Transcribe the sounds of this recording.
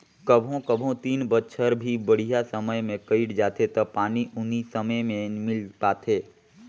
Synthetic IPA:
kəbʱõkəbʱõt̪iːnbətːʃʰəɾbʱibəɽ̤ijasəməjmẽkəɪʈd͡ʒaːt̪ʰet̪ɐpaːniʔʊnisəməjmẽmɪlpaːt̪ʰeː

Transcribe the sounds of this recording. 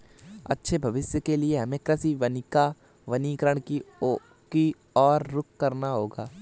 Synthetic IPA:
ɐ̰tːʃʰebʱɐʋɪsjəkelieɦɐmẽkɾɐsiʋɐnika | ʋɐniːkəɾəɽ̃ki | ki | ɔːɾːʊkːɐɾnaɦoːɡaː

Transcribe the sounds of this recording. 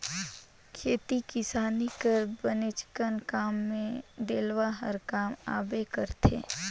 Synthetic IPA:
kʰeːt̪itkɪsaːnikəɾbənet͡ʃkənkaːmːẽɖ̪eːlʋaɦəɾkaːma̰ːbekəɾt̪ʰḛː

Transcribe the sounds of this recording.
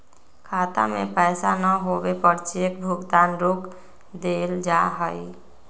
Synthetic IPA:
kʰaːt̪a̰mḛ̃pɛːsanəɦoːbepəɾt͡ʃek̚bʱʊɡt̪aːnɾoːk | d̪eːld͡ʒaɦəi

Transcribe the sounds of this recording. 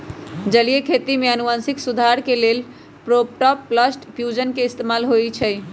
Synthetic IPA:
d͡ʒəliekʰet̪imeənuʋansiksud̪ʱaɾkelel | pɾopʈɔpːləsʈfjud͡ʒənkeist̪emalɦojt͡ʃʰəj

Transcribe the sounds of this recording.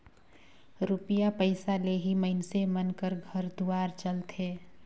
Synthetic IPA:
ɾupijapəɪsaleɦiməɪnsemənkəɾɡʱəɾd̪uaːɾt͡ʃəlt̪ʰeː

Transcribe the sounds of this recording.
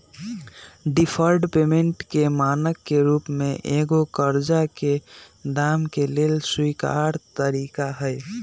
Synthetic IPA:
ɖipʰəɾɖpemeɳʈkemaːnəkːeɾuːpmeʔeɡokəɾd͡ʒaked̪aːmkeleːlswika̰ɾt̪əɾikaɦəj

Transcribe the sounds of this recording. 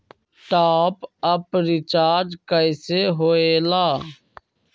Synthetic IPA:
ʈaːpəpɾɪt͡ʃaːd͡ʒkəjseːɦoːeːlaː

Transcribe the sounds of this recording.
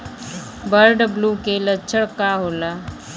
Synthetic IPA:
bəɾɖəblukelətːʃʰəɽkaɦoːlaː

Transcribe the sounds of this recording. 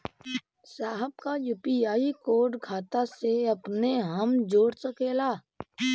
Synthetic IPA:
saːɦəb̚kajuːpijaːikoːɾɖkʰaːt̪aseɐpneɦəmd͡ʒoːɽsəkeːlaː

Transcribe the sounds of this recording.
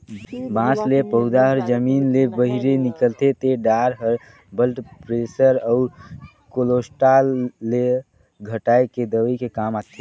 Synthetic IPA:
bãːslepəɦʊd̪aɦəɾd͡ʒəmiːnlebəɦiɾenɪkəlt̪et̪eɖaːɾɦəɾ | bəlʈpɾeːsəɾəʊɾ | kolosʈalːe | ɡʱəʈaːeked̪əʋəikekaːmaːt̪ʰe

